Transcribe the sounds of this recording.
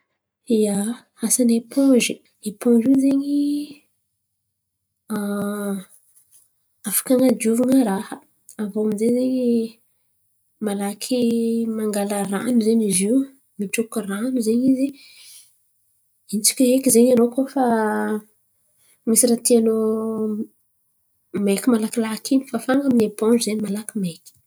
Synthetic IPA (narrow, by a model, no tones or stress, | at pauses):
ija | asanepʰɔ̃ʒi | epɔ̃ɖ͡ʐizeɲi | a | afḁkaŋad̪uvaŋəɾahə | avoamizezeɲi | malakʰimaŋɡaləranuzeɲiziw | miʈ͡ʂukiranuzeɲizi | int͡si̥kʲəɦekizeɲanokofa | misiɾat̪iano | mekʲimalakilakʰinifafaŋəminepoɖ͡ʐuzenimalakimekʲi̥